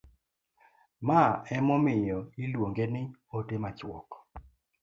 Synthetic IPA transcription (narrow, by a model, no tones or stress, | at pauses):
maɛmɔmɪjɔilwoŋɡenɪotemat͡ʃwɔ̰kɔ̥